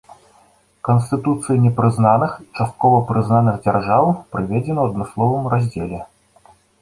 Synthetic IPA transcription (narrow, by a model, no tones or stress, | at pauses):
kɐnst̪ɨt̪ut̪sɨjinʲɛpɾɨznanɨxit͡ʂast̪̚kɔvɐpɾɨznanɨɣd͡zʲarʐawpɾɨvʲɛd͡zʲɛnɐwɐd̪mɨslˠɔvɨmrazʲd͡zʲelʲɛ